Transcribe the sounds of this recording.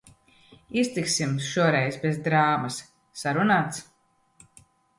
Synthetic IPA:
ist̪iksimʃuɔɾɛjzbezd̪ɾaːmasː | aɾunaːt̪s

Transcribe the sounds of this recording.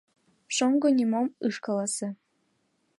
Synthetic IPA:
ʃoŋɡonʲimomɯʂkɑlˠɑsĕ

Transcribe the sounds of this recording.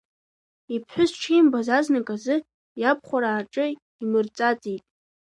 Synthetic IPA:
ipʰħʷᶣʊzʈ͡ʂʰijmbazaznɨkʼazɨ | japʰχʷaɾaːʈ͡ʂʼɨ | imɨrt͡sʼat͡sʼijtʼ

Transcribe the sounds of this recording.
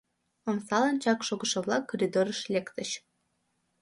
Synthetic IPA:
əmsɑlɑnt͡ɕɑkʃoɡəʃɤ̆βlˠɑkːoɾʲid̪oɾəʃlʲekt̪əɕ

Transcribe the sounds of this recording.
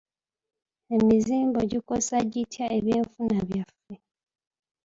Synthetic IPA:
e̞miziːmbo̞ɟiko̞saɟitʰiaʔeβjeːɱfunaβjafe̞

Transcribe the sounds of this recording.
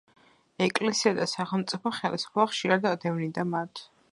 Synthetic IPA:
ɛkʼlɛsiad̪asaχɛlˠmt̪sʼipʰɔχɛlisu̥pʰɛbaχʃiɾad̪ad̪ɛvnid̪amat̪ʰ

